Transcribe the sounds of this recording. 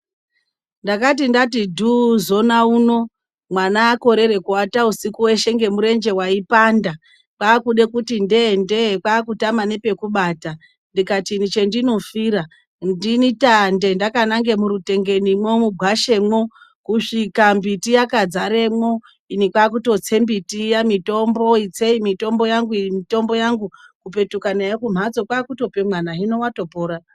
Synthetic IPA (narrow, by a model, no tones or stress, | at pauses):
ndakat̬indat̬idʱuzo̞nauno̞ | mwanaːko̞ɾe̞ɾe̞kuwatausikuwe̞ʃe̞ŋɡe̞muɾe̞nd͡ʒe̞waipanda | kwaːkuɗe̞kutinde̞nde̞kwaːkutamane̞pe̞kuɓata | ndikatinit͡ʃe̞ndino̞fiɾa | ndinitande̞ndakanaŋɡe̞muɾute̞ŋɡe̞nimwomuɡʱwaʃe̞mwo̞ | kuʂikambitijakad͡zaɾe̞mo̞ | inikwaːk̬uto̞t͡se̞mbitijamito̞mbo̞it͡se̞imito̞mbo̞jaŋɡuimito̞mbo̞jaŋɡukupe̞tukanajekum̤ad͡zo̞kwaːkuto̞pe̞mwanaɦino̞wato̞po̞ːɾa